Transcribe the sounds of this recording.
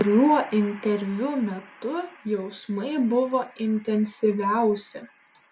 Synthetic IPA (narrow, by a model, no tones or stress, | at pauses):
ɾʲjuɔʔɪnʲt̪ʲɛɾʲʋʲʊmʲɛt̪ʊjɛʊsmɐɪbʊʋoːɪnʲt̪ʲɛnʲsʲiʋʲæˑʊsʲɪ